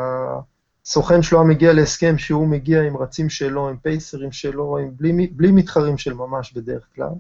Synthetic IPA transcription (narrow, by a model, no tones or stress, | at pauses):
a | so̞χenʃloameɡialeːske̞mʃeume̞ɡiaimʁat͡simʃelo̞impejseʁimʃelo̞imbliiblimit̪χaʁimʃe̞lmamaʃbe̞d̪e̞ʁeχkla̰l